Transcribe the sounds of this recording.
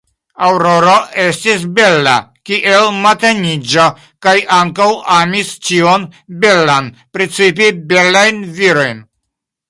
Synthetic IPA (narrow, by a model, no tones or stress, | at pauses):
awɾo̞ɾoe̞stis̬be̞lːa̰kiʔelmateɲid͡ʒa | kajaŋkawamist͡ʃio̞nbe̞lan | pɾet͡sip̬ibe̞lajnviɾo̞jn